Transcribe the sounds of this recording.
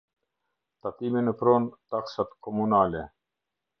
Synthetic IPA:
t̪at̪iminəpɾɔnt̪aksat̪kɔmunalɛ

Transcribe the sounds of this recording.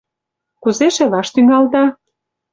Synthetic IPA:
kuzeʃelɑʃt̪yŋɑld̪ɑ

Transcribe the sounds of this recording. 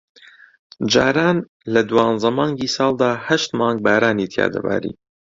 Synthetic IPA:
d͡ʒaːɾaːn | lɐd̪uwɑːnzɐmɑːŋɡiːsɑːlˠd̪aːhɐʃt̪mɑːŋɡ̚baːɾaːniːt̪ʰja̰ːd̪ɐ̰ba̰ːɾḭː

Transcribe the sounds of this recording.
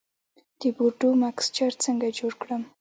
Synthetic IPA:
d̪̥əbuɾɖumakst͡ʃaɾt͡səŋɡad͡ʒoɽkɽəm

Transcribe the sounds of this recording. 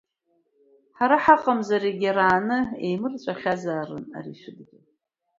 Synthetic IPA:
ħaɾaħaqʼamzaɾeɡʲaɾaːnɨḛjmɨrt͡ɕʷʼaχʲazaːrɨ̰na̰riʃʷɨdɡʲɪ

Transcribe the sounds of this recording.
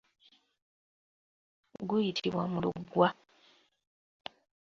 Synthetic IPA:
ɡujitʰiβwamulṵɡwa

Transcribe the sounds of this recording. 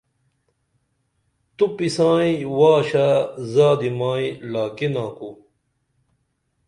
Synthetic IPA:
t̪upisãːĩwaːɕazaːd̪imaːĩlaːkinãːku

